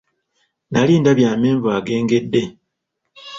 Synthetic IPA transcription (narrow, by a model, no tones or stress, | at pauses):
naliːndaβjaːme̞ːɱvaːɡe̞ːŋɡe̞dːe̞